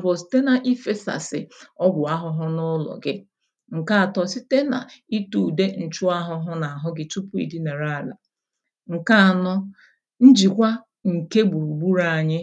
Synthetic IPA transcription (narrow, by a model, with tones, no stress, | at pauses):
bʊ˨si̥˦te˦na˨ʔi˦fe˦sa̰˨sɪ̰˨ɔ˦bʷʊ˨a˦ɦʊ˦ɦʊ˦nʊ˦lɔ̰˨ɡɪ˦ | ŋ̩˨ka˦a˨tɔ˨si˦te˦na̰˨i˦tu˨de˦n̩˨t͡ʃu˦a˦ɦʊ˦ɦʊ˦na˨a˨ɦʊ˦ɡɪ˦tu˦pu˦ḭ˨di˦ne˨ɾa˦˨la̰˨ | ŋ̩˨ka˦a˨nɔ˦ | n̩˦d͡ʒi˨kʷa˦ | ŋ̩˨ke˦ɡ͡bu˨ɾu˨ɡ͡bu˦ɾa˨a˨ɲɪ˦